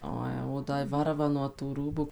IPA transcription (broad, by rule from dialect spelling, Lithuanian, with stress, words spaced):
ˈoː jɛʊ oː ˈdɐ ɪ ˈʋɐrʋɐ nuɔ tuː ˈruːbʊ